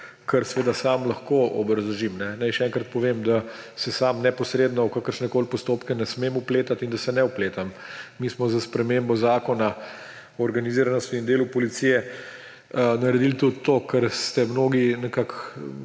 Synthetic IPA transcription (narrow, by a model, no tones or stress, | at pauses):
kʰəɾsʋeːd̪asamlɐxkoɔ̰bɾɐzuʒimnɛnajʃɛɛŋkɾat̪̚pɔʋemd̪a | sɛsaːmnɛpɔsɾeːd̪nɔwkakəɾʃnɛkoːlpɔst̪oːpkɛnɛsmemupleːt̪at̪ind̪asɛnɛupleːt̪amːiːsmɔzaspɾɛmembɔzaːkɔna | ɔːɾɡaniziɾanɔst̪ind̪eːlupɔlit̪sijɛ | ənɐɾɛd̪ilt̪ut̪ːokəɾst̪ɛmnoːɡinɛkak